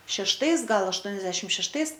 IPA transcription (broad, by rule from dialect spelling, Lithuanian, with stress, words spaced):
ʃʲɛʃˈtɐɪs ˈɡɐlˠ ɐʃˈtuɔnʲɛzʲdʲɛʃʲɪt ʃʲɛʃˈtɐɪs